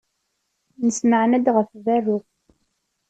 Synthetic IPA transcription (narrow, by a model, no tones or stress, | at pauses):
nəsməʕnæd̪ʁəfvæɾʊ